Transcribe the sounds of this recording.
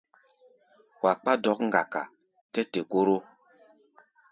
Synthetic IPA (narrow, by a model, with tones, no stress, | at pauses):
wa˨k͡pa˦dɔ˨˦kŋ̩˨ɡa˨ka̰˨ | tɛ˦te˨ko˦ɾo˦